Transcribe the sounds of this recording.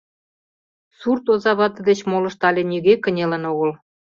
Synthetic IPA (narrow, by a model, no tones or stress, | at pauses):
surt̪ozɑβɑt̪ə̆d̪et͡ɕmolɤ̆ʃt̪ɑlʲĕnʲiɣekə̆nʲelĕnoɣɤ̆l